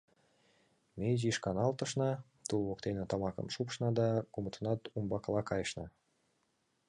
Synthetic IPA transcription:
mʲejʒiʃkɑnɑlt̪ɤ̆ʃnɑ | t̪ulˠβokt̪enĕt̪ɑmɑkə̰mʃupʃnɑd̪ɑkumət̪ʰənɑt̪umbɑklˠɑkɑjʃnɑ

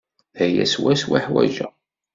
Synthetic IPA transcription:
ðæjæ̰swæswaħwæ̰ʒæ

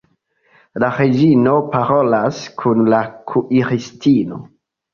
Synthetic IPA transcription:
laɾed͡ʒinopaɾolaskʰunlakʰuʔiɾistino̞̰

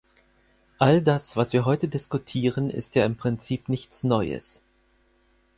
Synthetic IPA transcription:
ʔaldasv̥asv̥iːɐɦɔʏtədɪskutʰiːʁənɪ̰stjaːɪmpʁ̥ɪnt͡siːpnɪçt͡snɔʏə̰s

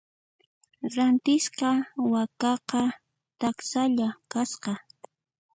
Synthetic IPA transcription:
ɾant̪ɪsqɑwakɑqɑ | t̪aksaʎakasqɑ

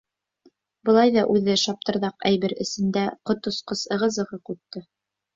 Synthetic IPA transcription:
bɤ̆lˠɑjðɑʔʉðɘʃɑp̚t̪ɤ̆ɾðɑqæjβɘɾɘ̆sɘ̆nd̪æqŏt̪ŏsqɤsɤ̆ʁɤ̆zɤ̆ʁɤqʉt̪ːɤ

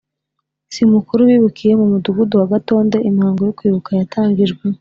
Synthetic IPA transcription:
simukuɾuwiːβukije̞mumuduɡuduwaɡato̞ːnde̞ʔimhaːŋɡo̞jokwiːβukajatʰaːŋɡiʒɡwe

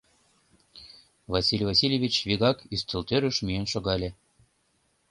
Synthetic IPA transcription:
vɑsʲilʲvɑsʲilʲevʲit͡ɕβiɣɑkyst̪ɘ̆lt̪øɾøʃmyenʃoɣɑlʲe

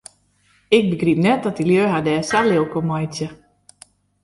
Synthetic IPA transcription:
ɪk̚bəɡrip̚nɛt̚dɔtdiljøːɦadɛːsalɪwkomɔjtjə

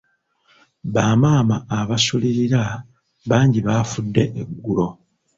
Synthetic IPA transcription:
βaːmaːmaːβasuliɾiɾa | βaːɲɟiβaːfudːe̞ʔeɡːulo̞

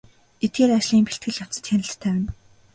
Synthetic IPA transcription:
et̪̚ɡeːɾat͡ɕɮiːmpeɬt̪̚ɡɘ̆ɮjaw̥t͡sə̥̆t̪xenɪ̆ɬt̪ʰːæːwɪ̆n

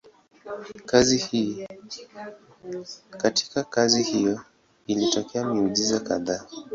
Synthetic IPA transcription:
kazihi | kati̥kakazihijɔ | ilitɔkɛamiuzizakaðaː

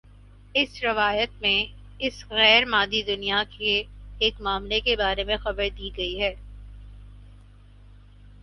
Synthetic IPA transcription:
ɪsɾɪʋaːjət̪̚mẽ | ɪsɣɛːɾmaːd̪id̪ʊnijakʰeːkmaːmlekebaːɾemẽxɐbəɾd̪iːɡɐiɦɛː

